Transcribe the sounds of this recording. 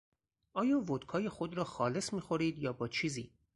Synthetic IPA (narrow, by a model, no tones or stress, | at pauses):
ʔɒːjɒːvod̪̥kʰɒːje̞xod̪ɾɒːxɒːle̞smiːxo̞ɾiːd̪jɒːbɒːt͡ʃʰiːziː